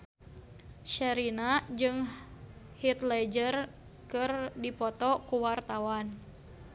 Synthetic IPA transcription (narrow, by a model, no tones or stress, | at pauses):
ʃɛɾinad͡ʒɨŋ | hit̪lɛd͡ʒər | kɨrdipɔt̪ɔkuwart̪awan